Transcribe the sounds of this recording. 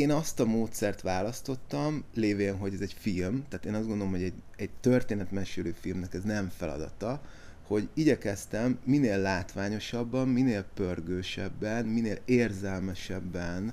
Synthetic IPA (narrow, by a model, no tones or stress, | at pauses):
eːnɒst̪ɒmoːt̪sɛrt̪ʋaːlɒst̪o̞t̪ːɒmleːveːnɦo̞ɟɛzɛɟfilmt̪aːt̪eːnɒzdɡo̞nd̪olomɦho̞ɛɟ | ɛɟ̚t̪ørt̪eːnɛt̪mɛʃyløːfilmnɛkɛznɛɱfɛlɒ̰d̪ɒ̰t̪ɒ | ho̞ɟiɟɛkɛst̪ɛmːineːlːaːt̪ʋaːɲo̞ʃɒbːɒmːineːlpørɡøːʃɛbːɛnmineːleːrzɛlmɛʃɛbːɛn